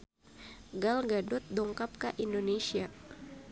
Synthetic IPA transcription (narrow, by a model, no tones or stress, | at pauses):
ɡalɡadʊt̪̚dɔŋkap̚kaʔindonesia